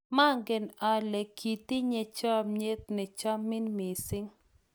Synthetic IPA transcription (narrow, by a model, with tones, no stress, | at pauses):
ma˦ŋɡɛ˨na˨lɛ˨kʰːi˨t̪i˦ɲe˨t͡ʃa˦˨mɲe˦t̪̚nɛ˨t͡ʃa˦mɪ˦nmi˨sɪ˦ŋ